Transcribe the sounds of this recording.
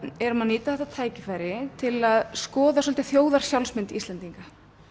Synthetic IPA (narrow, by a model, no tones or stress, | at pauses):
ɛɾmanːiːt̪aθɛht̪at̪ʰaːjcɪfaːjɾɪt̪ʰɪlaðskɔːðaswɔlt̪ɪθjoːwðaɾ̥sjawlsmɪnt̪ist̪lɛnt̪iŋka